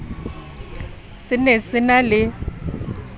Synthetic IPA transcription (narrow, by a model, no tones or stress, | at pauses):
sɪnesɪnalɪ